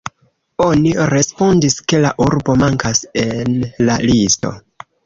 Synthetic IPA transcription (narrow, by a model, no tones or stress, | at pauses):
o̞niɾe̞spo̞ndiske̞laʔuɾbo̞maŋkase̞nlalisto̞̰